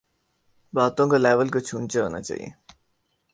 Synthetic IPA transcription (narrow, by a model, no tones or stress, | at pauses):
baːt̪õkalɛːʋəlkat͡ʃʰuːnt͡ʃaɦo̰ːna̰t͡ʃa̰ːɦḭjḛ